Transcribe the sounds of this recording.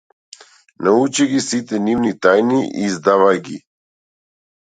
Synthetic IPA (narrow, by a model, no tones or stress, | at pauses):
naut͡ʃiɡisit̪ɛnivnit̪ajniʔizd̪avajɡḭ